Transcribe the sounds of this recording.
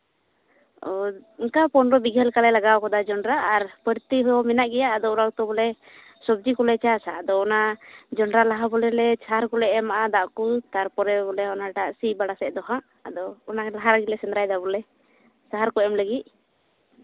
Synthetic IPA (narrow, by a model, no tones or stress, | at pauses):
ɔiŋkapɔnɾɔbiɡʱɛlkalɛlaɡawkɔd̪ad͡ʒɔnɾaʔːɾpəɾt̪iɦɔmɛnaʔɡɛjaʔːd̪ɔɾaɡt̪ɔbɔlɛ | sɔb̚d͡ʒikɔlɛt͡ʃasaad̪ɔɔnad͡ʒɔnɾalaɦabɔlɛlɛsaɦaɾkɔlɛʔɛmaʔad̪aʔkut̪aɾpɔɾɛbɔlɛɔnaʈaʔsibaɽasɛʔd̪ɔɦaʔ | ad̪ɔːnalaɦaɾaɡilɛsɛnd̪ɾajd̪abɔlɛ | saɦaɾkɔɛmləɡit̪̚